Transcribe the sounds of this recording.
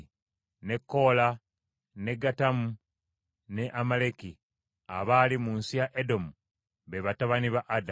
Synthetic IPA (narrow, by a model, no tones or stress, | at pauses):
ne̞kːo̞la | ne̞ɡatamu | ne̞ʔamaleki | a̰βalimuːnsijaʔedo̞mu | βe̞βataβaniβaʔada